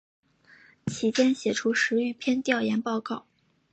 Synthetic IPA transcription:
t͡ɕʰi˧˥t͡ɕjɛ˥nɕjɛ˨˩ʈ͡ʂʰu˥ʂɻ̩˧˥y˥˧˩pʰjɛ˥nt̪jɑ˥˩ʊjɛ˧˥npɑ˥˧ʊkɑ˥˩ʊ

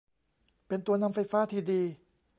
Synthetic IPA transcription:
pe˧nt̪u˧ɐna˧mfa˧jfaː˦˥t̪ʰiː˧˩diː˧

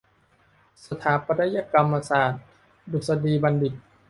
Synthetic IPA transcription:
sa˧t̪ʰaː˨˦pa˧t̪a˦˥ja˧ka˧mːa˧saː˨˩t̪̚ | du˨˩sa˧diː˧ba˧ndi˨˩t̪̚

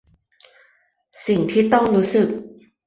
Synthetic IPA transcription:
si˨˩ŋt̪ʰiː˥˩t̪ɔ˥˩ŋɾuː˦˥sɯ˨˩k̚

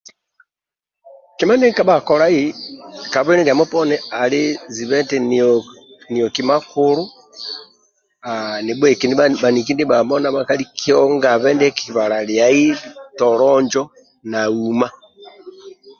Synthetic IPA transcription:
ki˦ma˦ni˦ka˦βako˨ɾa˦i˦ka˨βe˦ni˦ŋɡa˨mo˦pɔ˦nɛ˦a˨li˦zi˨βɛ˦ntɛn | ni˨joki˨ma˦kuɾu˦ | a˨ni˨βɛ˨ki˨ni˦βa˨ni˨ki˦ndi˦βa˨βɔ˦na˦βa˦ka˦li˦kio˦ŋɡa˨βɛ˦ndɛ˦kiβa˨ɾa˨lja˨i˦tɔ˨ɾɔɲd͡ʒɔ˦ | na˨u˨ma˦

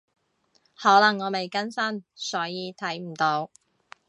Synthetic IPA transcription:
hɔː˨˥lɐ˨˩ŋːɔː˨˧me˨jkɐ˥nsɐ˥nsɔː˨˥jiː˨˧t̪ʰɐ˨˥jm̩˨˩t̪o˨˧w

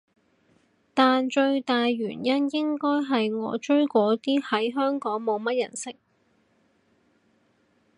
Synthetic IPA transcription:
t̪aː˨nt͡ʃɵ˧ɥt̪aː˨jɥyː˨˩njɐ˥njɪ˥ŋkɔː˥jɦɐ˨jŋɔ̰ː˨˧t͡ʃɵ˥ɥkɔː˨˥t̪iː˥hɐ˨˥jɦœː˥ŋkɔː˨˥ŋmo˨˧wmɐ˥t̚jɐ̰˨˩nsɪ˥k̚

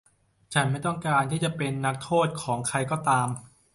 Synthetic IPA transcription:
t͡ɕʰa˦˥nma˥˩jt̪ɔ˥˩ŋkaː˧nt̪ʰiː˥˩t͡ɕa˨˩pe˧nːa˦˥k̚t̪ʰoː˥˩t̪̚kʰɔː˩˦ŋkʰɾa˧jkɔː˥˩t̪aː˧m

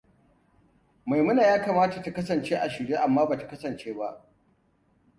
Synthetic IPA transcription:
ma˨jmʊ˦naː˨jaː˦kaː˨maː˦ta˨ta˨kɐ˦sɐ˨nt͡ʃeː˦ʔa˨ʃɪ˨ɽeː˦ʔa˨mːaː˦baː˨tḁ˨kɐ˦sɐ˨nt͡ʃeː˦ba˦ʔ

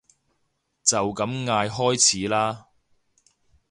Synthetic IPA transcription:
t͡sɐ˨wkɐ˨˥mŋaː˧jɦɔː˥jt͡sʰiː˨˥laː˥

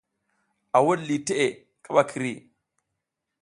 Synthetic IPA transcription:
a˨wo˦dli˨te˦ʔe˨ | ka˦˨ɓa˦kʰi˨ɾi˦˨

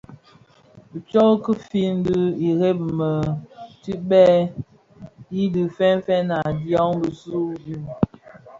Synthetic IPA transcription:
bi˨t͡ʃɔ˦ɣkə˦fi˦n˦də˦i˨ɣe˦b̚mə˨ti˦ɓɛ˦ | i˦dɨ˨fɛ˦n˦fɛ˦na˨djɔ˦ŋbə˨su˦ji˦m

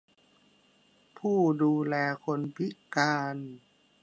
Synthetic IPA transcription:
pʰuː˥˩duː˧lɛː˧kʰo˧npʰi˦˥ʔkaː˧n

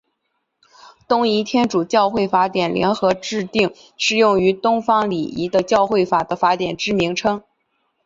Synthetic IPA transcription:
t̪ʊ˥ŋi˧˥t̪ʰjɛ˥nʈ͡ʂu˨˩t͡ɕjɑ˥˧ʊxwe˥˩ɪfa˧˥t̪jɛ˨˩nljʔɛ̰˧˥nxɤ˧˥ʈ͡ʂɻ̩˥˧t̪i˥˩ŋ | ʂɻ̩˥˧jʊ˥˩ŋy˧˥t̪ʊ˥ŋfɑ˥ŋli˨˩ḭ˧˥d̪ə˧t͡ɕjɑ˥˧ʊxwe˥˩ɪfa˨˩d̪ə˦fa˧˥t̪jɛ˨˩nʈ͡ʂɻ̩˥mi˧˥ŋʈ͡ʂʰɤ˥ŋ

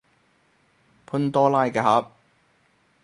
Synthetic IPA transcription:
pʰʊ˧nt̪ɔː˥laː˥jkɛ˧˩ɦa˨˥p̚

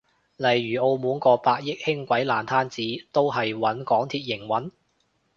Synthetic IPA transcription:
lɐ˨˩jɥyː˨˩ʔo˧wmuː˨˥nkɔː˧paː˧k̚jɪ˥k̚hɪ˥ŋkʷɐ˨˥jlaː˨˩nt̪ʰaː˥nt͡siː˨˥t̪o˥wɦɐ˨jwɐ˨˥nkɔː˨˥ŋt̪ʰiː˧t̚jɪ˨˩ŋwɐ˨˥n

